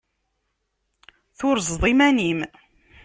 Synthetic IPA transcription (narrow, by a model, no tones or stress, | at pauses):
θʊɾzðˤimænim